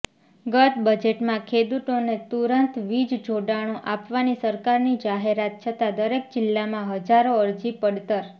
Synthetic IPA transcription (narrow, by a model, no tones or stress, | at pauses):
ɡət̪bəd͡ʒeʈmãkʰed̪ut̪onet̪uɾənt̪ʋid͡ʒd͡ʒoɖaɽ̃õʔapʋanisəɾkaɾnid͡ʒaɦeɾat̪̚t͡ʃʰət̪ad̪əɾek̚d͡ʒɪlːamãɦəd͡ʒaɾoəɾd͡ʒipəɽt̪əɾ